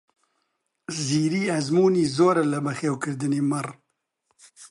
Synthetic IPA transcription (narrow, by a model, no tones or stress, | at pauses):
ziːɾiːɛzmuːniːzoːɾɛlɨbɐxeːwkɨɾd̪ɨniːmɨr